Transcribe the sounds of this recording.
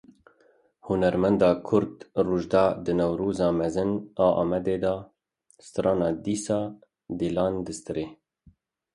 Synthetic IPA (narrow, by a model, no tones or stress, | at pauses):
hunɛɾmɛnd̪ɑːkʰʊɾd̪ruːʒd̪ɑːd̪ɨnɛwɾuːzɑːmɛzɨnɑːʔɑ̰ːmɛd̪eːd̪ɑ | st̪ɨɾɑːnɑːd̪iːsɑː | d̪iːlɑːnd̪ɨst̪ɨɾeː